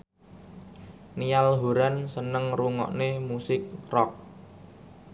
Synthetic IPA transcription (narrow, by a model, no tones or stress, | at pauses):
nijalɦuɾansənəŋruŋɔ̰ʔnemusɪk̚rɔk̚